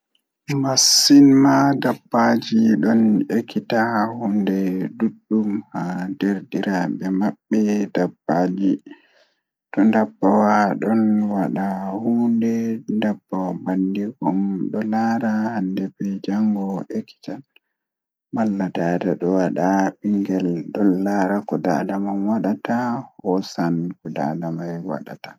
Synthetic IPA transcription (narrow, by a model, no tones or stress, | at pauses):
masːinmadabːad͡ʒiɗɔnekitahundɛduɗːumhadɛɾdiɾabɛmaɓːɛdabːad͡ʒi | tɔndabːawaɗɔnwaɗahundɛndabːawbandiɡɔmɗɔlaɾahandɛbɛd͡ʒaŋɡɔʔekːi̥tal | malːatadaɗɔwaɗaɓiŋɡɛlɗɔnːaɾakɔda̰damanwaɗatahɔsankɔda̰damajwa̰ɗa̰tḁ